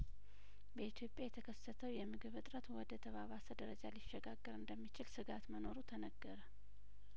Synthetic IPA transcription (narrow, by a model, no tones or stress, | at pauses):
bəit̪ʰjo̞pʼjajɛt̪ʰəkʰəsːət̪ʰəwjɛmɨɡɨβɨt̪ʼɾət̪wɔd̪ət̪ʰəβaβasəd̪əɾəd͡ʒaliʃːɛɡaɡːəɾɨnd̪əmːit͡ʃɪlsɨɡat̪məno̞ɾut̪ʰənəɡːəɾə